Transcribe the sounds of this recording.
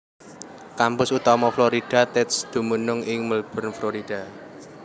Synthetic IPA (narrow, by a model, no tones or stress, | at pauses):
kampʊsut̪ɔmɔfloɾid̥a̤t̪ɛt̪sd̪̥ṳmunʊŋɪŋməlb̥ə̤nfloɾid̥a̤